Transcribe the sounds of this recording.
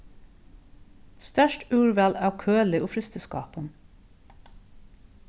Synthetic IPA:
st̪œʃʈʉːɹʋælɑːʋkʰøːlɪʔoːfɾɪst̪əskɑ̰ːpən

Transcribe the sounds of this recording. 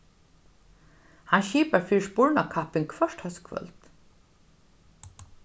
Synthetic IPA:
hanʃiːpəɹfiːʃpʊɹɳakʰapɪŋkʰʋœʃthœskʰʋœ̰lt̪

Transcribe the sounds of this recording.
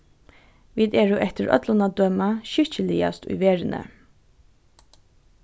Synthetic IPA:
ʋiːd̪eːɹuːʔɛt̪əɹʔœ̰t̪lʊnad̪œmaɕʏcəlɪa̰st̪ʉ̰jʋeːɹənʔə̰

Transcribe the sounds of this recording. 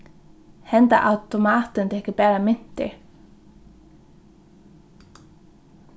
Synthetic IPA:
hɛnt̪a̰ʔawt̪ɔmaːt̪ʏnt̪ʰɛhcʏpɛːɾamɪn̥t̪ɪ̰

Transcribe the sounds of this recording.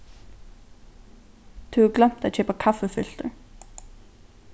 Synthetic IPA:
t̪ʰʉːɡlɛm̥t̪aːc͡çʰeːpəkʰafəfʏl̥t̪əɹ

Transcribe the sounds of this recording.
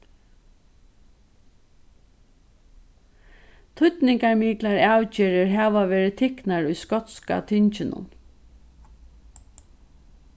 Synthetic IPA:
t̪ʰʊt̪nɪŋkaɹmiːklaɹawt͡ʃɪːɾɪɹɦaːʋaʋɛːɾɪt̪ʰɪknaɹʊjskɔt̪ska̰t̪ʰɪɲt͡ʃɪnʊ̰n

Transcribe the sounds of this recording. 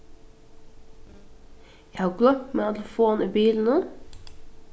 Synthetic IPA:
jæhɑːɡlœmeːɑt̪ləfoːnʔiːbiːln̩ə

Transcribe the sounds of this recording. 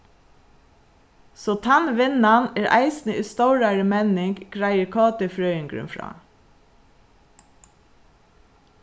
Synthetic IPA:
soːt̪ʰɑnʋɪnɑneːɾʔæ̰ɪsn̩əʔiːst̪ɑʊɾɑɹəmɛnɪŋɡɡɹæɪəkʰɑːt̪əfɹœʏəŋɡɹʉ̰nfɹɑ̰ː

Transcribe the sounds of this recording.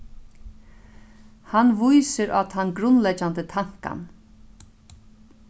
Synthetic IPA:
hanʋujsəɾʔa̰t̪hanɡɾʊnlɛd͡ʒand̪ət̪ʰaŋ̥ka̰n

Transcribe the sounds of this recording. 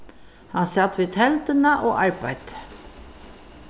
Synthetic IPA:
hɑnsɑt̪ʰʋeːt̪hɛld̪ənəʔoːʔɑɹbæɪd̪̥

